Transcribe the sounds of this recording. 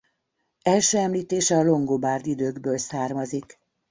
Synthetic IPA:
ɛlʃøːɛmliːt̪eːʃɛɒlo̞ŋɡobaːrd̪id̪øːɡbøːlsaːrmɒzik

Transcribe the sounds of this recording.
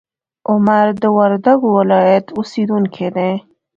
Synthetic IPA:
ʊmaɾd̪əwaɾd̪aɡowɪlɑjat̪ʰusid̪unkʰed̪e

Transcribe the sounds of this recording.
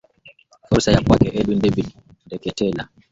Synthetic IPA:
fɔɾsajakwakɛʔɛlundɛbi | ndɛkɛtɛla

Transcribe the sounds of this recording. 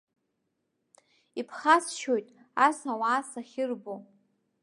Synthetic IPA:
ipʰχasʃojtʼasawaːsaχʲɪrbo

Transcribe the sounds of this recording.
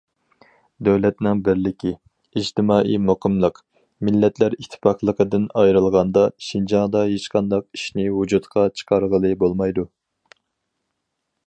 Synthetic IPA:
d̪æwlɛt̪nɪŋbɪɾlɪkʲʰi | id͡ʒt̪ʰɪmɑːʔimoqʰəmlˠəq | mɪlːɛt̪læɾit̪ʰːɪ̥pɑχlˠəqəd̪ɨnɑjɾɨlˠʁɑnd̪ɑʃind͡ʒɑŋd̪ɑɦet͡ʃqʰɑnd̪ɑq̚i̥ʃnɪwud͡ʒut̪qʰɑt͡ʃʰə̥qʰɑɾʁəlˠɨbolˠmɑjd̪u

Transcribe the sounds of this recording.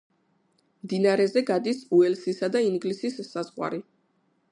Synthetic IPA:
md̪inaaɾɛzɛɡad̪isuɛlsisad̪aiŋɡlisisːazʁwa̰ɾi

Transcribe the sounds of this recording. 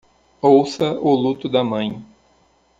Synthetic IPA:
owsɐʊlut̪ʊd̪ɐmɐ̃j̃

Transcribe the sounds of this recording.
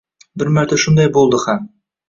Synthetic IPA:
bɘɾmæɾt̪æʃund̪ɑjbulˠd̪ɤχæm

